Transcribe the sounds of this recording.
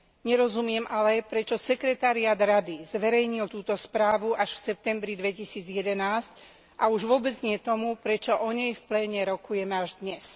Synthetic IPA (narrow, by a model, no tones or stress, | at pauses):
ɲɛɾɔzumɪɛmʔalɛpɾɛt͡ʃɔsɛkɾɛt̪aɾiaːd̪ɾad̪izʋɛɾɛjɲilt̪uːt̪ɔspɾaːʋuʔaʃfsɛp̚t̪ɛmbɾid̪ʋɛcisiːd͡zjɛd̪ɛnaːsc | ʔauʒʋʊɔbɛd͡zɲɪɛt̪ɔmupɾɛt͡ʃɔʔɔɲɛjfplɛːɲɛɾɔkujɛmɛaʒd̪ɲɛs